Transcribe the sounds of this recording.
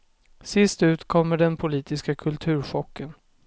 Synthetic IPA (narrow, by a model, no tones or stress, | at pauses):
sɪst̪ʉ̟ːt̪kʰɔmːəɖɛnpʰʊliːt̪ɪskakʰɵlt̪ʰʉ̟ːɾɧɔkːən